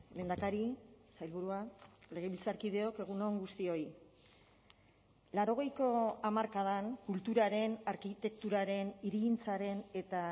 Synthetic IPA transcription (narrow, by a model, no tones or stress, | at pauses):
le̞ːnd̪akaɾisajlβuɾuale̞ɣ̞e̞βilt͡saɾkið̞e̞o̞ke̞ɣ̞uno̞ŋɡust̪io̞i | laɾo̞ɣ̞e̞jko̞amaɾkað̞aŋkult̪uɾaɾe̞naɾkit̪e̞k̚t̪uɾaɾe̞niɾiɣint͡saɾe̞ne̞t̪a